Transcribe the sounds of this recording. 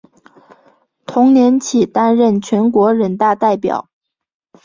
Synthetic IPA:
t̪ʰʊ˧˥ŋnjɛ˧˥nt͡ɕʰi˨˩t̪a˥nɻə˥˩nt͡ɕʰɥɛ˧˥nkwɔ˧˥ɻə˨˩nt̪a˥˧t̪a˥˩ɪpjɑ̰˨˩˦ʊ

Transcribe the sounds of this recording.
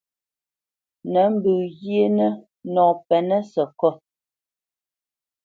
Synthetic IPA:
nə˨˦m̩˦bʉ˨ɣje˦nə˦ | nɔ̃ː˨pɛ˨nə˦sə˨kɔ˦

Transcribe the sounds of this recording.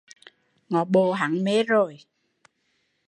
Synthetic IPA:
ŋɔ˨˩˦ɓo˧˩ɦa˨˩˦ŋme˨˦˥zo˨˩j

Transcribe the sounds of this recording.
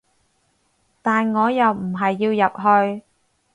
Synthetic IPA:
t̪aː˨nŋɔː˨˧jɐ˨wm̩˨˩ɦɐ˨jːiː˧wjɐ˨p̚ɦɵ˧ɥ

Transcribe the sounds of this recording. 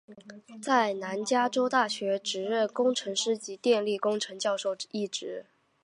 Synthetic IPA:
t͡sa˥˩ɪna˧˥nt͡ɕja˥ʈ͡ʂo˥ʊt̪a˥˩ɕɥɛ˧˥ʈ͡ʂɻ̩˧˥ɻə˥˩nkʊ˥ŋʈ͡ʂʰɤ˧˥ŋʂɻ̩˥˩t͡ɕi˧˥t̪jɛ˥˧nli˥˩kʊ˥ŋʈ͡ʂʰɤ˧˥ŋt͡ɕjɑ˥˧ʊʂo˥˧ʊi˥˩ʈ͡ʂɻ̩˧˥

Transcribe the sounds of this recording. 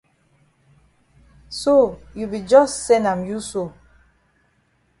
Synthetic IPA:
so˦˨ju˨bi˨d͡ʒɔ˦ssɛ˦nã˨mju˦so˨

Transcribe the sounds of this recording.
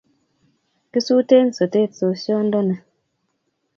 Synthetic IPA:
ki˦su˦te˦n̩˨so˨te˦˨so˨sjɔ˦n˦dɔ˦nɛ˨

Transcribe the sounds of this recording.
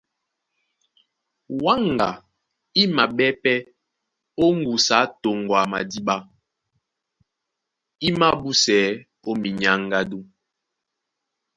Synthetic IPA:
wa˦ŋ˨ɡa̰˨ | i˦ma˨ɓɛ˦pɛ˦ | o˦ŋ˦ɡu˨sa˨˦to˨ŋ˨ɡwa˨ma˨di˦ɓa˦ | i˦ma˦bu˦sɛ˨˦ | o˦mi˨ɲa˦ŋ˦ɡa˦du˦

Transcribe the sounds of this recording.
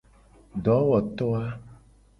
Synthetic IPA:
ɖɔ˨˦wɔ˨t̪ɔ˦a˦

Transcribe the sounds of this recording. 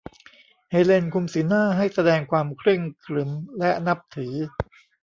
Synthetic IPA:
he˧le˧nkʰu˧msɯː˩˦naː˥˩ɦa˥˩jsa˧dɛː˧ŋkʰwaː˧mkʰɾɯ˥˩ŋkʰlɯ˩˦mlɛ˦˥na˦˥p̚t̪ʰɯː˩˦

